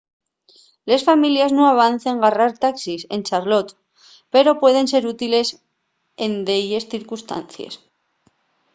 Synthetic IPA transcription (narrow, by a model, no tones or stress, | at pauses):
le̞sfamiljaznoaβ̞an̟θe̞ŋɡaraɾt̪aksise̞̰nt͡ʃaɾlo̞t̪ | pe̞ɾo̞pwe̞ð̞e̞ns̬e̞ɾut̪ile̞s | e̞nd̪eʎesθiɾkust̪a̰nθja̰s